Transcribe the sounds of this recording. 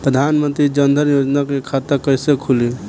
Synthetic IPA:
pɾəd̪ʱanmənt̪ɾid͡ʒənd̪ʱəɾjod͡ʒnakekʰat̪əkəjsekʰuli

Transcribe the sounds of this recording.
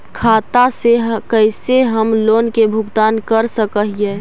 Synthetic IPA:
kʰaːt̪aseɦkəɪseɦəmloːnkebʱʊɡt̪aːnkəɾsəkəɦijɛ

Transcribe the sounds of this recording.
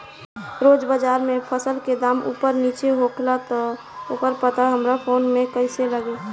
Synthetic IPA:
ɾoːd͡ʒbəd͡ʒaːɾmẽpʰəsəlked̪aːmṵːpəɾniːt͡ʃeɦoːkʰlat̪ɔ | oːkəɾpət̪aɦəmɾapʰoːnmẽkəɪseləɡe

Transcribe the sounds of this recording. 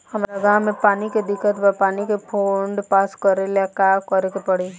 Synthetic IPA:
hɐmɾaɡaːmẽpaːniked̪ɪkːət̪bəpaːnikepʰoːɳɖpaːskəɾelakakɐɾekepɐɽe

